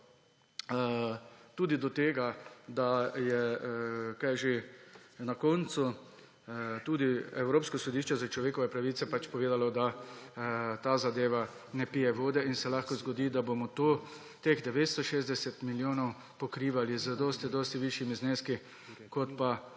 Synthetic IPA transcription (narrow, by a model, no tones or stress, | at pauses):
t̪uːd̪id̪ɔt̪eːɡad̪ajɛ | kajʒenakoːnt̪su | t̪uːd̪iɛwɾoːpskɔsɔd̪iːʃt͡ʃɛzat͡ʃlɔʋeːkɔʋɛpɾaʋiːt̪sɛpat͡ʃpɔʋeːd̪alɔd̪a | t̪aːzad̪eːʋa | nɛpiːjɛʋoːd̪ɛinsɛlaːxkɔzɡɔd̪iːd̪abomɔt̪oː | t̪eɣd̪ɛʋeːt̪st̪ɔʃeːzd̪ɛsɛt̪miljoːnɔw | pɔkɾiːʋalizəd̪ɔːst̪id̪ɔːst̪iʋiʃjimizneːski | kɔt̪pa